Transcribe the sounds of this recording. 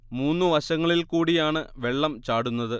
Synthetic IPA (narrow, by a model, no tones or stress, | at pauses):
muːnːɨʋɐɕɐŋːɐɭilkuːɽijaːɳɨʋe̞ɭːɐmt͡ɕaːɽunːɐðɨ